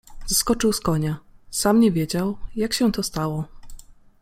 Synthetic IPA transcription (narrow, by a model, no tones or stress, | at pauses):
z̥askɔt͡ʂɘwskɔɲasamɲɛvʲjed͡ʑawjakɕɛt̪ɔst̪awɔ